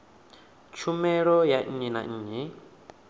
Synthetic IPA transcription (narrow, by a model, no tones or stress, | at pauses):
t͡ʃʰumɛɺɔjaɲ̩ɲina̰ɲ̩ːɲi